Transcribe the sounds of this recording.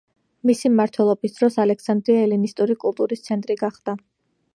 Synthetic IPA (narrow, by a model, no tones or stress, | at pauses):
misimmaɾt̪ʰwɛlˠɔbisd̪ɾɔsalɛksand̪ɾiaɛlinist̪ʼuɾikʼulˠt̪ʼuɾist̪sʰɛnt̪ʼɾiɡaχd̪̥a